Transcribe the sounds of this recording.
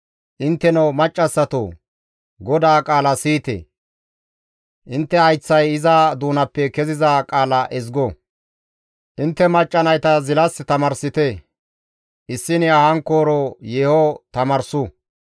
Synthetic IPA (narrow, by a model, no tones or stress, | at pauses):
ʔɪnt̪ːɛnomɐt͡ʃʼːɐsːɐt̪o̰ | ɡɔd̪aːkʼaːlɐsiːt̪ḛː | ʔɪnt̪ːɛɐjt͡sːɐjɪzad̪uːnɐpːɛkɛzɪzakʼaːlɐʔɛzɡɔ | ʔɪnt̪ːɛmɐt͡ʃʼːɐnɐjt̪ɐzɪlɐst̪ɐmɐɾsɪt̪ɛ | ʔɪsːɪnɪɐhɐŋkoːɾɔjeːhot̪ɐmɐɾsʊ